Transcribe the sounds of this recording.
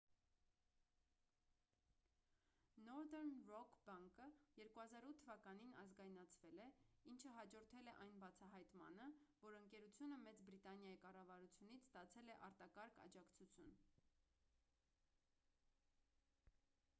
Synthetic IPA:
nɔɾd̪ɛɾnrɔkʰbɑŋkəjɛɾkuhɑzɑɾut̪ʰːəvɑkɑn̪inɑzɡɑjnɑt͡sʰvɛlɛint͡ʃʰəɦɑd͡ʒɔɾt̪ʰɛlɛʔɑjnbɑt͡sʰɑɦɑjt̪mɑ̰nəvɔɾəŋkɛɾut͡sʰjunəmɛt͡sbɾit̪ɑnjɑjikɑrɑvɑɾut͡sʰjunit͡sʰst̪ɑt͡sʰɛlɛʔɑ̰ɾt̪ɑkɑɾkʰɑ̰d͡ʒɑkt͡sʰut͡sʰjun

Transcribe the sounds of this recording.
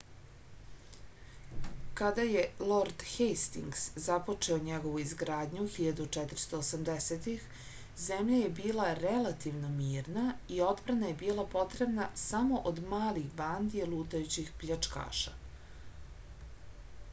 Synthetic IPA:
kad̪aje̞lˠoɾd̪xejst̪iŋɡszapo̞t͡ʂeoɲeɡo̞ʋuizɡɾaːd̪ɲuxiʎad̪ut͡ʂɛt̪ɾ̩st̪o̞ːsamd̪eset̪ix | zemʎaje̞biːlˠaɾelat̪iʋno̞miːɾnaio̞d̪bɾanaje̞biːlˠapo̞t̪ɾe̞bnasamo̞ʔod̪maːliɣband̪ielˠuːt̪ajut͡ɕixpʎat͡ʂka̰ːʃa̰

